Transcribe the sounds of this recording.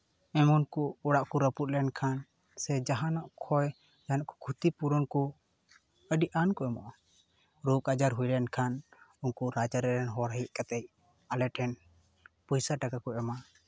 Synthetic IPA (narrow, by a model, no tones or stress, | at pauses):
ɛmɔnkuːɽaʔkuɾəput̪̚lɛɛnkʰan | sɛd͡ʒaɦanɔʔkʰɔj | d͡ʒaɦanɔʔkɔ̥kʰut̪ipuɾɔnkɔ | əɖiʔankɔɛmɔ̰ʔɔ | ɾukad͡ʒaɾɦujlɛnkʰanunkuɾat͡ʃaɾɛɾɛnɦɔɾɦəjiʔ̚kat̪ɛj̚ | alɛʈʰɛn | pɔjsaʈakakɔʔɛma